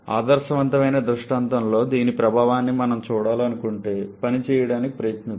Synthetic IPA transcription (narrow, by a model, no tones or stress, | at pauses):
a̰ːd̪ɐɾʂɐʋɐnt̪ɐmɐjnɐd̪ɾuʂʈaːnt̪ɐmlo̞ːd̪iːnipɾɐbʱaːʋaːnːimɐnɐmt͡ʃuːɽaːlɐnukuɳʈe̞ːpɐnit͡ʃɛːjɐɽaːnikipɾɐjɐt̪nɐ